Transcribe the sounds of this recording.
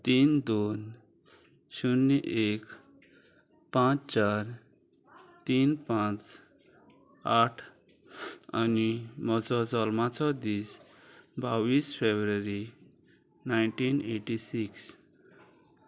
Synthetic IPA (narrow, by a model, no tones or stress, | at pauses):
t̪ind̪on | sunːeʔek | pãt͡st͡ʃaɾ | t̪inpãt͡s | aʈʰ | animɔt͡sɔd͡zɔlmat͡sɔd̪is | bawispʰebɾəɾi | najɳʈineʈisiks